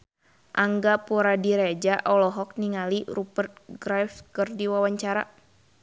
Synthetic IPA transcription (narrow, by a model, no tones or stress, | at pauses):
ʔaŋɡapuɾadiɾɛd͡ʒaʔɔlɔɦɔk̚niŋalirupərt̪̚ɡɾafkɨrdiwawaɲt͡ʃaɾa̰